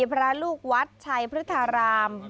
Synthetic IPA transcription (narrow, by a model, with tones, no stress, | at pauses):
pʰɾa˦˥luː˥˩k̚wa˦˥t̪̚t͡ɕʰa˧jpʰɾɯ˦˥t̪ʰːa˧ɾaː˧m